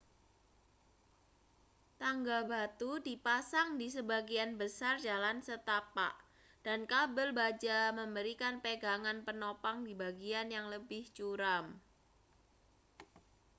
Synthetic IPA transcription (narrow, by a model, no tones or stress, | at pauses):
t̪aŋɡabat̪udipasaŋdisəbaɡianbəsard͡ʒalansət̪apa̰ʔ | d̥ankabəlbad͡ʒaməmbəɾikanpeɡaŋanpənopaŋdibaɡianjaŋləbɪht͡ʃuɾam